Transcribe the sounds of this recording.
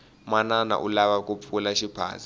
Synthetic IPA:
manana̰ʔulaɓakʼupʰulaʃipʰa̰ːzi

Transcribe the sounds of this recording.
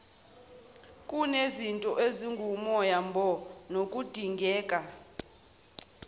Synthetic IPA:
kʼunezintʼɔʔeziŋɡʱumɔjambʱɔnokʼud̥ʱiŋɡʱɛːkʼa

